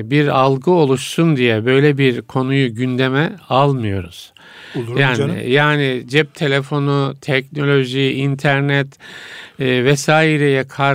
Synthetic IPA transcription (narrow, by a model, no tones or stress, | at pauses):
biɾalˠɡɯo̞lˠuʃsund̪ijɛbø̞jlʲɛbiɾkʰo̞nujuɟynd̪emɛalˠmɯjo̞ɾuz̥ | jaːn̰jaːnid͡ʒɛp̚t̪ʰe̞lʲefo̞nut̪ʰɛcno̞lʲo̞ʒiint̪ʰæɾnɛt̪ː | vɛsaːiɾɛjɛkʰa